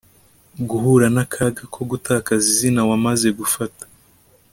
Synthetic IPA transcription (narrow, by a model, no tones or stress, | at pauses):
ɡuɦuɾanakʰaɡakʰo̞ɡutakazizinawamaze̞ɡufatḁ